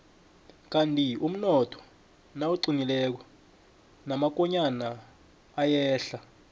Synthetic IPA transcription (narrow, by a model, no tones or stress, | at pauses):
k̬ʼantʼium̩nɔtʰɔ̥ | nawuǀinilɛk̬ɔ | namak̬ɔɲanaː | jɛːɬa